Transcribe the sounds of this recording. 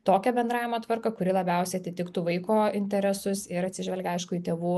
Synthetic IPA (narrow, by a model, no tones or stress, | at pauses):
t̪oːkʲɛbʲɛnd̪ɾɑːʋʲɪmɐt̪ʋɐɾkɐkʊɾʲɪlˠɐbʲɛˑʊsʲɛɪɐt̪ʲɪt̪ʲɪkt̪uːʋɐɪkoːɪnʲt̪ʲɛɾʲɛsʊsɪɾɐt̪ʲsʲɪʒʲʋʲɛlʲɡʲɛɐɪʃkʊiːt̪ʲeːʋuː